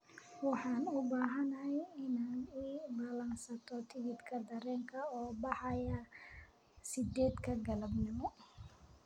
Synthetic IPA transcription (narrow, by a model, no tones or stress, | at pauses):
wɑħɑːnʊbaːɦɐnɐɦɛjɪnaːniːbaːlɐnsɐt̪ʰɔt̪ʰɪɡɪd̪kʰɐd̪ɐɾɛːŋkʰɐɔːbɑħɑjɐ | sɪd̪ɛːd̪kʰɐɡɐlɐbnɪmɔ